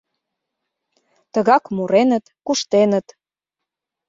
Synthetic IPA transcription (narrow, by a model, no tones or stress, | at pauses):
t̪əɣɑkmuɾenət̪kuʃt̪enə̆t̪